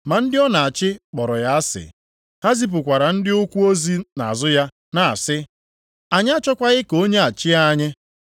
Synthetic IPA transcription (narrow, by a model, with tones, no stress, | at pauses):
ma˨n̩˦dɪ˦ɔ˦na˨a˨t͡ʃɪ˦k͡pɔ˨ɾɔ˨ja˦a˦sɪ̰˨ | ha˦zi˦p̬ʊ˨kʷa˨ɾa˨n̩˦dɪ˦ʊ˦kʷu˦o˦zi˦na̰˨a˨zʊ˦ja˦ | na˨a̰˨sɪ˦ | a˨ɲ˦a˦t͡ʃɔ˦kʷa˦ɣɪ˦ko˦ɲe˦a˨t͡ʃɪ˦a˦ɲe˦